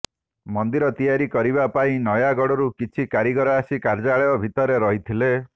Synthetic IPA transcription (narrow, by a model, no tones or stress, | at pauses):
mɔnd̪iɾɔt̪ijaɾikɔɾibapaĩnɔjaɡɔɽɔɾukit͡ʃʰikaɾiɡɔɾaːsikaɾd͡ʒaɭeɔbʱit̪ɔɾeɾɔɦit̪ʰile